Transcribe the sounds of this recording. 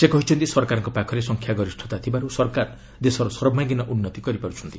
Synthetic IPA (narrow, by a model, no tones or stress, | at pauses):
sekɔɦit͡ʃʰɔnt̪isɔɾkaɾɔŋkɔpakʰɔɾesɔŋkʰjaɡɔɾisʈʰɔ̥t̪at̪ʰibaɾusɔɾkaɾ | d̪esɔɾɔsɔɾɔbmaɡinɔʔunːɔt̪ikɔɾipaɾut͡ʃʰɔnt̪i